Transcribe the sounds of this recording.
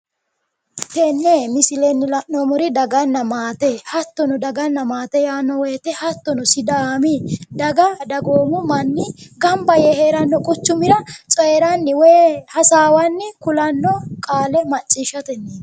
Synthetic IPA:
t̪ɛnːemɪsɪlɛnːɪlɐʔnoːmʊɾɪd̪ɐɡɐnːɐmaːt̪ɛhɐt̪ːɔnʊd̪ɐɡɐnːɐmaːt̪ɛjaːnːɔwɛːt̪ɛhɐt̪ːɔnʊsɪd̪aːmid̪ɐɡɐd̪ɐɡoːmʊmɐnːɪɡɐmbɐjɛheːɾɐnːɔkʼʊt͡ʃːʊmɪɾɐt͡sʼɔɛɾɐnːɪweːhɐsaːwɐnːɪkʊlɐnːɔkʼaːlɛmɐt͡ʃʼːiʃːɐt̪ɛnːɛ

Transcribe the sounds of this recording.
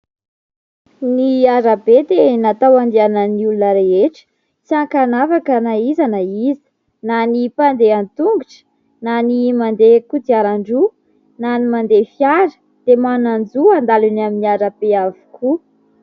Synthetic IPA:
niaɾabed̪enat̪awand̪ianəniulunəɾeɦeʈ͡ʂə̥ | t͡siaŋkanavakənaizanəizi̥ | nanipand̪eant̪uŋɡuʈ͡ʂə̥ | nanimand̪ekud̪iaɾaɳɖ͡ʐu | nanimand̪efiaɾə̥ | d̪̥emanand͡zuand̪alunaminiaɾab̥eavu̥kʰu

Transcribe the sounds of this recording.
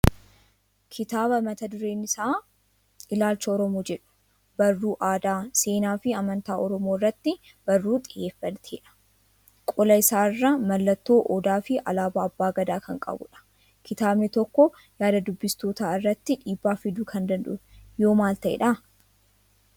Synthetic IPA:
kʰɪt̪aːbɐmɐt̪ɐd̪ʊɾe̞ːnɪsaː | ʔɪlaːlt͡ʃːɐɔɾɔmoːd͡ʒɛᶑʊ̥ | b̥ɐrːuːʔaːd̪aːse̞ːnaːfɪɐmɐnt̪aːɔɾɔmo̞ːɪrːɐt̪ːɪ | b̥ɐrːuːt̪ʼɪje̞ːfːɐnt̪ʰḛːᶑɐ̥ | kʼɔlɐɪsaːrːɐmɐlːɐt̪ːo̞ːʔɔd̪aːfɪʔɐ̰laːbɐːbːaːɡɐd̪aːkɐŋkʼɐ̰bʊ̰ᶑɐ̥ | kʰɪt̪aːbnɛt̪ɔkːɔ | jaːd̪ɐd̪ʊbːɪst̪o̞ːt̪aːɪrːɐt̪ːɪᶑiːbːaːfɪd̪uːkʰɐnd̪ɐnᶑ̪ʊ̰jo̞ːmaːlt̪ɐʔɛ̰ᶑɐ

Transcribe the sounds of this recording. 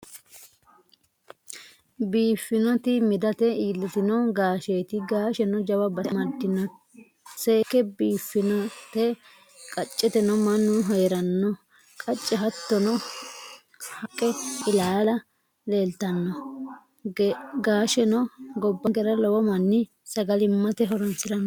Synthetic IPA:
biːfːɪnɔt̪ɪmɪd̪ɐt̪ɛiːlːɪt̪ɪnɔɡaːʃeːt̪ɪɡaːʃɛnɔd͡ʒɐwɐbɐmɐɾd̪ɪnːɔ | seːkːɛbiːfːɪnɔt̪ɛ | kʼɐt͡ʃʼːɛt̪ɛnɔmɐnːʊɦɔjɛɾɐnːɔ | kʼɐt͡ʃʼːɛɦɐt̪ːɔnɔ | hɐkʼːɛɪlaːɐlɐ | leːlt̪ɐnːɔ | ɡaːʃɛnɔɡɔbːɐɡɛɾɐlɔwɔmɐnːɪ | sɐɡɐlɪmːɐt̪ɛɦɔɾɔnsɪd̪ɐnː

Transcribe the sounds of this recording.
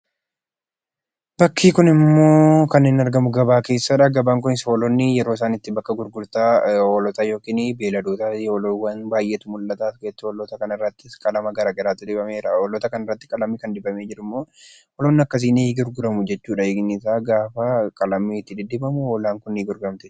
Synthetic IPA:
b̥ɐkːiːkʊnɪmːo̞ːkɐnːeːnɐɾɡɐmʊɡɐbaːke̞ːsːaᶑɐɡɐbaːŋk̬ʊnɪsɐoːlɔnːɪjɛɾo̞ːɪs̬aːnɪt̪ːɪbɐkːɐɡʊɾɡʊɾt̪aːoːlɔt̪ɐjo̞ːkiːnbe̞ːlɐd̪uːt̪aoːlwɐnbaːjʔeːt̪ʊmʊlːɐt̪aːfɡɐːt̪ːɪɔlɔt̪ɐkɐnɪrːɐt̪ːɪskʼɐlɐmɐɡɐɾaːɡɛɾaːt̪ːɪᶑ̪ɪbɐmeːɾɐolɔt̪ɐkɐnɐrːɐt̪ːɪ̥kʼɐlɐmːɪkɐnd̪ɪbɐme̞ːd͡ʒɪɾɪmːoː | ʔɔlɔnːɪɐkːɐs̬iːnːɡʊɾɡʊɾɐmʊd͡ʒɛt͡ʃːuːᶑɐnsaːɡaːfɐkʼɐlɐmːit̪ːɪd̪ɪd̪ɪbɐmʊoːlaːŋkʊniːɡʊɾɡɐmt̪ɪ

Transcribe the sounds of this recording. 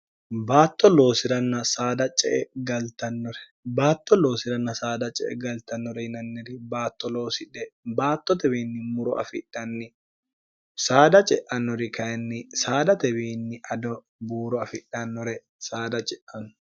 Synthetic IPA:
baːt̪ʼːɔlo̞ːsɪɾɐnːɐsaːd̪ɐt͡ʃʼɛ̰ʔɛɡɐlt̪ɐnːɔɾɛ̥ | baːt̪ːɔlo̞ːsɪɾɐnːɐsaːd̪ɐt͡ʃʼɛ̰ʔɛ̰ɡɐlt̪ɐnːɔɾɛhɪnɐnːɛɾɪbaːt̪ːɔloːsɪᶑɛbaːt̪ːɔt̪ɛbiːnːɪmʊɾɔɐ̰fɪᶑːɐnːɪ | saːd̪ɐt͡ʃʼɛʔɐnːɔɾɪkɐjɛnːɪsaːd̪ɐt̪ɛbiːnːɪɐd̪ɔ | buːɾɔɐfɪᶑɐnːɔɾɛ | saːd̪ɐt͡ʃʼɛʔɐn

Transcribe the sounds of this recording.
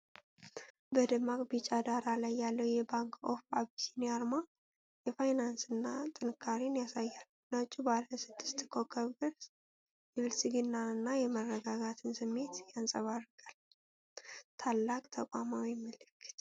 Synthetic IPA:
bəd̪ɨmakʼbit͡ʃʼad̪aɾalajːalːəwjɛbaŋkʰʼofaβtinaɾma | jɛfajnansɨnːat̪ʼɨnɨkʰːaɾinjasajːalː | nat͡ʃʼːubaləsɨd̪̥ːɨst̪kʰo̞kʰəbɨɾ | jɛβɨlsɨɡɨnːaɨnːajɛmərːəɡaɡat̪ʰɨnsɨmːe̞t̪jansʼəβarːɨɡʼal | t̪ʰalːakʼt̪ʰəkʷʼamawimːəlɨkʰːɨ̥t̪

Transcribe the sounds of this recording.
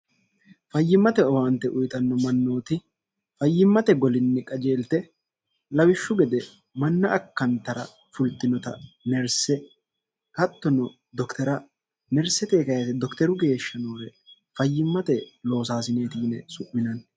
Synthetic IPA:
fɐjːɪmːɐt̪ɛɔwaːnt̪ːɛʔʊjt̪ɐnːɔmɐnːo̞ːt̪ɪ | fɐjːɪmːɐt̪ɛɡɔlɪnːɛkʼɐd͡ʒe̞ːlt̪ɛ | lɐwɪʃːʊɡɛd̪ɛ | mɐnːɐʔɐkːɐnt̪ːɐɾɐ̰ | fʊlt̪ːɪnɔt̪ɐnɛɾsɛ | kɐt̪ːɔnɔ | d̪ɔkt̪ʰɛɾɐ | nɛɾsɛt̪eːkɐjɐt̪ɛd̪ɔkt̪ɛɾʊɡe̞ːʃːɐnoːɾɛ | fɐjːɪmːɐt̪ɛlo̞ːsaːsɪne̞ːt̪iːnɛsʊʔɪnɐn

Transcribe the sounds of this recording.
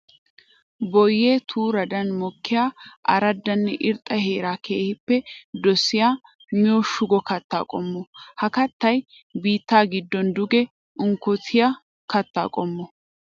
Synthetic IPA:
bɔjːeːt̪ʰuːɾɐd̪ɐnmɔkːɪjaːʔɐ̰ɾɐd̪ːɐnːɛʔɪɾt̪ʼːɐhe̞ːɾaːkʰe̞ːhɪpːɛd̪ɔsːɪjaː | mɪjɔʃʊɡɔkɐt̪ːa̰ːkʼɔmːɔhɐkɐt̪ːɐj | biːt̪ːaːɡɪd̪ːɔnd̪ʊɡɛ | ʔʊŋkɔt̪ʰɪjɐ | kɐt̪ːa̰ːkʼɔmːɔ

